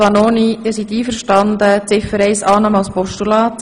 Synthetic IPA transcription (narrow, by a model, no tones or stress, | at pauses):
ɑnoːnid̪ɪɾsit̪iːfəɾʃtɑnd̪ət͡sɪfəɾɛɪsɑːnɑːmɑlspɔʃtulɑːt